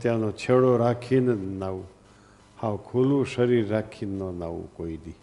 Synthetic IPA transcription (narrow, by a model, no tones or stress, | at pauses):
t̪jãnot͡ʃʰeɽoɾakʰinnau | hãwkʰulũʃəɾiɾːakʰinːonaʋṵkoid̪i